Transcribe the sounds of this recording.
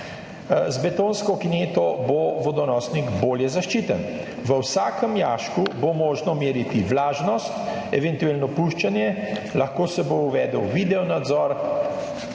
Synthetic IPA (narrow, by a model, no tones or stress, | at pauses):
zbɛt̪oːnskɔkineːt̪ɔboʋɔd̪ɔnɔːsniɡboːljɛzaʃt͡ʃiːt̪ən | ʋəwsaːkəmjaːʃkubomoːʒnɔmeːɾit̪iʋlaːʒnɔst̪ | ɛʋɛnt̪ueːlnɔpuʃt͡ʃanjɛlaxkoːsɛbouʋɛːd̪əwʋiːd̪ɛɔnad̪zɔːɾ